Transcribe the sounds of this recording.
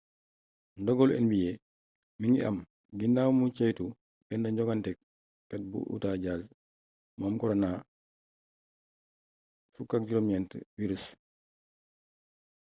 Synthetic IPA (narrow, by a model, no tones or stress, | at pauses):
ndɔɡɔlɛ̰nbijɛ | miŋɡiʔɐ̰m | ɡindawmut͡ʃɐjtu | bɛndɐɲɟɔɡantɛk̚ | kɐt̚bṵʔṵtaɟaːz | mɔːmkɔɾona | fukːak̚ɟuɾɔmjɛntə̰wiɾus